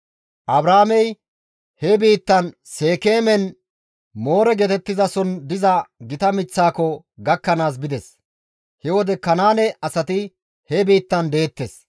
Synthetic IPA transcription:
ʔɐbɾaːmɛj | hɛbiːt̪ːɐn | se̞ːkeːmɛn | mo̞ːɾɛɡet̪ɛt̪ːɪzɐsɔnd̪ɪzɐɡɪt̪ɐmɪt͡sːaːkɔ | ɡɐkːɐnaːs̬bɪd̪ɛs | hɛwɔd̪ɛkɐnaːnɛɐsɐt̪ɪ | hɛbiːt̪ːɐnd̪e̞ːt̪ːes

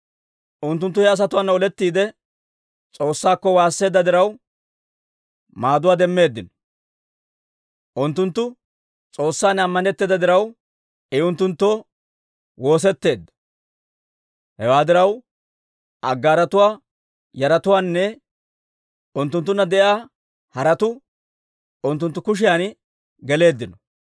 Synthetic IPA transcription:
ʔʊnt̪ːʊnt̪ːʊhɛɐs̬ɐt̪ʊwaːnːɔlɛt̪ːiːd̪ɛ | t͡sʼo̞ːsːaːkːɔwaːsːe̞ːd̪ːɐd̪ɪɾɐw | maːd̪ʊwaːd̪ɛmːe̞ːd̪ːɪnɔ̥ | ʔʊnt̪ːʊnt̪ːʊ | t͡sʼo̞ːsːaːnɐmːɐnɛt̪ːeːd̪ɐd̪ɪɾɐw | ɛʊnt̪ːʊnt̪ːoː | wo̞ːs̬ɛt̪ːe̞ːd̪ːɐ̥ | hɛwaːd̪ɪɾɐw | ʔɐɡːaːɾɐt̪ʊwaː | jɐɾɐt̪ʊwaːnːɛ | ʊnt̪ːʊnt̪ːʊnːɐd̪ɛʔjaː | hɐɾɐt̪ʊ | ʊnt̪ːʊnt̪ːʊkʊʃ̬ɪjaːn | ɡɛle̞ːd̪ːɪnɔ

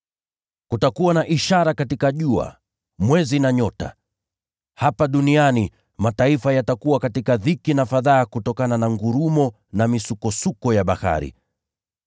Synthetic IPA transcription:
kutakuwanaʔiʃaɾakatikaʄua̰ | mwɛzinaɲɔta̰ | hapaɗuniani | mataifajatakuwakatikaðikinafaðaːkutɔkananaŋɡuɾumɔ | namisukɔsukɔjaɓaha̰ɾḭ

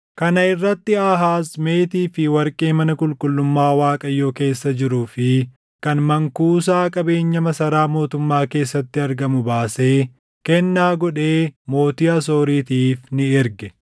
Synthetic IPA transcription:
kɐnɐɪrːɐt̪ːɪɐɦaːsme̞ːt̪iːfɪwɐɾkʼeːmɐnɐkʼʊlkʼʊlːʊmːaːwaːkʼɐjːo̞ːke̞ːsːɐd͡ʒɪɾuːfɪ | kɐnmɐŋkuːs̬aːkʼɐbe̞ːɲːɐmɐsɐɾaːmo̞ːt̪ʊmːaːke̞ːsːɐt̪ːɪɐɾɡɐmʊbaːse̞ː | kɛnːaːɡɔᶑe̞ːmo̞ːt̪iːɐso̞ːɾiːt̪iːfnɪɪɾɡɛ

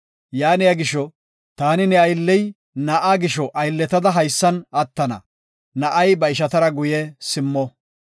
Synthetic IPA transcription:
jaːnɪjɐɡɪʃːɔ | t̪aːnɪnɛɐjlːɛj | nɐʔaːɡɪʃɔʔɐjlːɛt̪ɐd̪ɐɦɐjsːɐnɐt̪ːɐnɐ̰ | nɐʔɐjbɐɪʃɐt̪ɐɾɐɡʊjɛsɪmːɔ

